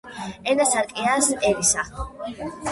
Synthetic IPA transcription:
ɛnasaɾkʼiasʔɛɾisa

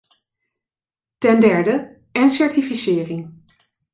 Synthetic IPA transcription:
tɛndɛɹdə | ɛnsɛɹtifisɪːrɪŋ

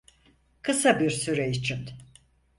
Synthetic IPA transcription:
kʰɯsabiɾsyɾɛit͡ʃʰin

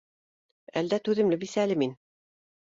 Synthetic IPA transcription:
æld̪æt̪ʉðɘ̆mlɘbisælɘmin

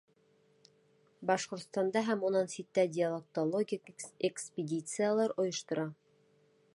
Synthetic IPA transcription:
bɑʃqŏɾt̪st̪ɑnd̪ɑɦæmunɑnsit̪ːæd̪ʲɪalˠek̚t̪olˠoɡʲikekspʲɪdʲit̪sɨjalˠɑɾŏjŏʃt̪ŏɾɑ

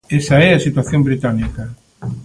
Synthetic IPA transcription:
esaɛasit̪waθjombɾit̪anikɐ

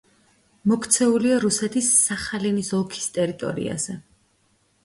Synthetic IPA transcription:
mɔkʰt̪sʰɛuliaɾusɛt̪ʰisːaχalinisɔlˠkʰi̥st̪ʼɛɾit̪ʼɔ̰ɾḭa̰zɛ

